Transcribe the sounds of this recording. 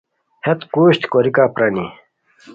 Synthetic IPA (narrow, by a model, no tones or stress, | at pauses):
het̪kuːɕt̪koɾikaːpɾɐnḭ